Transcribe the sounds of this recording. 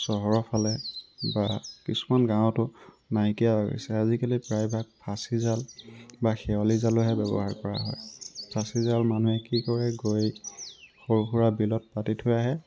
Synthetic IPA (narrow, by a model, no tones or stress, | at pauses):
sɔɦɔɹɔpʰalɛbakisu̥manɡãw̃tʊ | nakijalaɡɔ̰sɛazikalipɹajbʱaɡ̚pʰasizalbaxɛwalizalʊɦɛbɛbɔ̰ɦaɹkɔɹa̰ɦɔ̰jpʰasizalmanuɛkikɔɹɛɡoj | xoɹxuɹabilɔt̚patitʰʊjaɦɛ